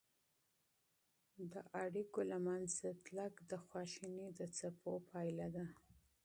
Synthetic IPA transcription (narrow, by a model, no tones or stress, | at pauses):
d̪əʔaɽikolamanzat̪lakd̪əxwɑʃinid̪ət͡sapʰopʰɑjlad̪a